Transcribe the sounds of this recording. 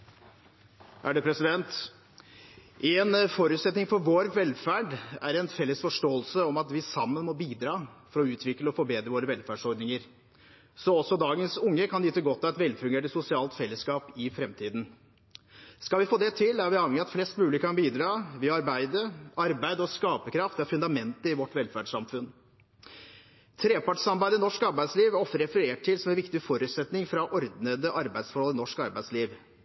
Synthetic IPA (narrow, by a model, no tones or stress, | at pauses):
æ̰ɖɛpʰɾɛsɪd̪ɛnt̪ | ʔɛnfɔɾʉːt̪sɛt̪nɪŋfɔɾʋoːɾʋɛlfæːɖæ̰ɾɛnfɛlːəsfɔʂʈoːəlsəɔmɑt̪ʋɪsɑmːənmɔbiːd̪ɾɑːfɔɾɔʉːt̪ʰʋɪkləɔfɔɾbeːd̪ɾəʋoːɾəʋɛlfæːɖʂɔɾɖnɪŋəɾ | sɔɔsɔd̪ɑːɡənsʊŋːəkʰɑnd̪it̪ːəɡɔt̪ʰːɑɛt̪ʋɛlːfʉŋɡeːʈəsʊsɪɑːlt̪fɛlːəskɑːpɪfɾɛmt̪ʰiːd̪n̩ | skɑlʋɪfoːd̪ɛt̪ʰɪlæɾʋɪɑːʋɛŋəɾɑt̪flɛst̪mʉːlɪkəkʰɑnbiːd̪ɾɑːʋɪɑɾbæɪd̪əɑɾbæɪd̪ɔskɑːpəkʰɾɑft̪ɛfʉnd̪ɑmɛnt̪əɾɪʋɔʈːʋɛlfæɖʂɑmfʉn | t̪ʰɾeːpɑʈsɑmbæɪd̪əɪnɔʂkɑɾbæɪd̪sliːʋɔft̪əɾɛfəɾeːʈʰːɪlsɔmɛnʋɪkt̪ɪfɔɾʉt̪sɛt̪nɪŋfɾɑʔɔɾd̪nəd̪əʔɑɾbæɪd̪sfɔɾhɔlɪnɔʂkɑɾbæɪd̪sliːʋ